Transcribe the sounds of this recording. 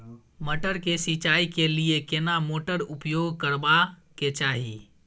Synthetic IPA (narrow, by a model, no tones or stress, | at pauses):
məʈəɾkesit͡ʃaikeliekenamoʈəɾupjoɡkəɾba | ket͡ʃaɦḭ